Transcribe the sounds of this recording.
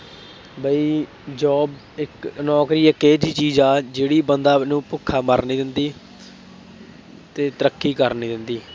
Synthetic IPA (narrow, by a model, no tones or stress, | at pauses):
bəiː | d͡ʒɔːb | ɪknɔːkɾiːəkeːd͡ʒiːt͡ʃiːzaːd͡ʒeːɽiːbənd̪aːnũːpʊkʰːaːməɾniːd̪ɪnd̪iː | t̪eːt̪əɾəkːiːkəɾniːd̪ɪnd̪iː